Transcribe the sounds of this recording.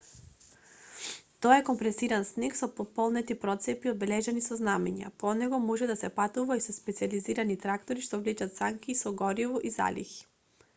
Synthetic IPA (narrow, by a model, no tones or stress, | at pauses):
t̪ɔɛkɔmpɾɛsiɾansniksɔpɔpɔlˠnɛt̪ipɾɔt̪sɛpiɔd̪̚bɛlɛʒɛnisɔznamɛɲa̰pɔnɛɡɔmɔʒɛd̪asɛpat̪uvaisɔspɛt̪sializiɾanit̪ɾakt̪oɾiʃt̪ɔvlit͡ʃat̪saŋkisɔɡɔɾivɔʔiza̰lʲḭxi̥